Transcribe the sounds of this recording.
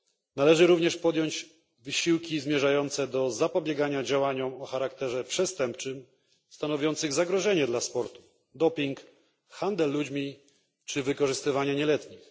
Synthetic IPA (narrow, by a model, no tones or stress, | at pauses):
nalɛʐɘɾuvɲɛʂpɔd̪jɔɲd͡ʑ | vɘɕiwkʲizmʲjɛʐajɔnt̪sɛd̪ɔzapɔbʲjɛɡaɲad͡ʑawaɲɔmɔxaɾakt̪ɛʐɛpʂɛst̪ɛmpt͡ʂɘm | st̪anɔvʲjɔnt̪sɘɣzaɡɾɔʐɛɲɛd̪laspɔɾt̪u̥ | d̪ɔpʲiŋk | xand̪ɛlːud͡ʑmʲi | t͡ʂɘvɘkɔʐɘst̪ɘvaɲaɲɛlɛt̪ɲix